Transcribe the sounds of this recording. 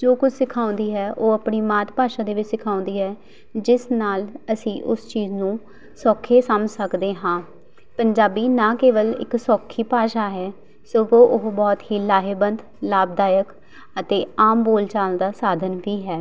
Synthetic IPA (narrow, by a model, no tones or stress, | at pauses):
d͡ʒoːkʊd͡ʒʰʱsɪkʰaːʊ̃nd̪iːɦɛːʔoːəpɳiːmaːt̪paːʃaːd̪eːʋɪt͡ʃsɪkʰaːʊ̃nd̪iːɦɛː | d͡ʒɪsnaːləsĩːʔʊst͡ʃiːznũː | sɔːkʰːeːsəmsəkd̪eːɦãː | pəɲd͡ʒaːbiːnãːkeːʋəlɪ̰ksɔːkʰːiːpaːʃaːɦɛː | soːɡoːʔʊɦbɔːt̪ɦiːlaːɦeːbənd̪ | laːb̚d̪aːjək | ət̪eːaːmboːlt͡ʃaːlənd̪aːsaːd̪ʱənʋiːɦɛː